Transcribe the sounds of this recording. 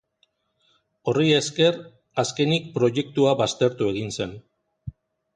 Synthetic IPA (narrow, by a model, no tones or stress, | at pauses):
o̞rie̞ske̞ɾ | aske̞nik̚pɾo̞ʝe̞k̚t̪uaβast̪e̞ɾt̪ue̞ɣ̞inse̞n